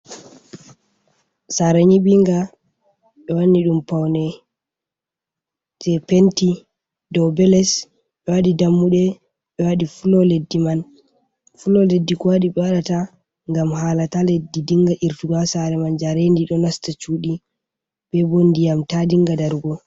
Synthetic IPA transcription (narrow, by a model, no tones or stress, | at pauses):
saɾaɲiɓiŋɡa | ɓɛwanːiɗumpawnɛ | d͡ʒɛpenti | dɔbɛlɛs | ɓɛwaɗidamːuɗɛ | ɓɛwaɗifulɔledːiman | fulɔledːikɔwaɗiɓɛwaɗata | ŋɡamhaːlataledːidiŋɡaʔiɾtuɡasaɾɛmand͡ʒaɾendiɗɔnastat͡ʃuɗi | b̥ɛbonːdijamtadiŋɡadaɾɡɔ